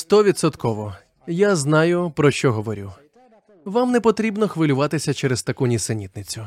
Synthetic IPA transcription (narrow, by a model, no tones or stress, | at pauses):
st̪ɔʋʲit̪sɔt̪kɔʋɔ | jaznɑjʊpɾɔʃt͡ʃɔɦɔʋɔɾʲu | ʋamnɛpɔt̪ɾʲibnɔxʋɪlʲʊʋɑt̪ɪsʲɐt͡ʃɛɾezt̪ɐkunʲisenʲit̪nɪt͡sʲʊ